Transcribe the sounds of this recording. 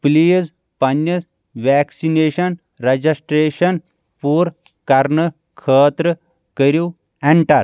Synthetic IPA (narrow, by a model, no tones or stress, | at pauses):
pliːz | pɐnːɐ | ʋeːksineːʃɐn | ɾɐd͡ʒisʈɾeːʃɐn | puːɾ | kɐɾnə | kʰəːt̪ɾə | kəɾiw | eɳʈɐɾ